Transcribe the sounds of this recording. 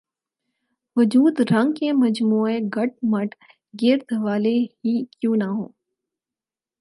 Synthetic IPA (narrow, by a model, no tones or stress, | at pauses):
ʋʊd͡ʒuːd̪ɾɐ̃ŋɡkẽmɐd͡ʒmuːeɡɐʈ̚mɐʈ | ɡɪɾt̪ʋaːleɦikjũːnaɦõː